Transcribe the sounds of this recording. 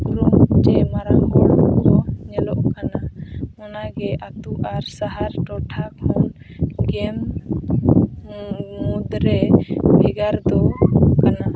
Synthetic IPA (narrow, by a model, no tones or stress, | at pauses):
kɾud͡ʒɛmaɾaŋɡɔɔɲɛlɔʔkanamɔnaɡɛʔat̪uʔaɾsaɦaɾʈɔʈʰak̚mɔn | ɡɛm | ud̪ɾɛbʱiɡaɾd̪ɔkana